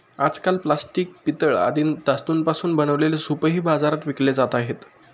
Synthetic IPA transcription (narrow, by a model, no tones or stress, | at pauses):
ad͡zkalplasʈiːk̚pit̪əɭa̰d̪iːnd̪ast̪uːnpasuːnbənəʋlelesupɦiːbad͡zaɾat̪ʋikled͡zat̪aɦet̪